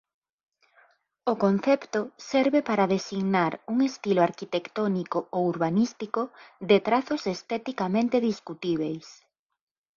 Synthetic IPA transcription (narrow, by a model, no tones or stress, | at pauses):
ʊkon̟θɛpt̪ʊsɛɾβepaɾaðesiɣnaɾuŋest̪iloaɾkit̪ekt̪onikoouɾβanist̪ikʊðet̪ɾaθʊsest̪ɛt̪ikamẽnt̪eðiskut̪iβ̞ejs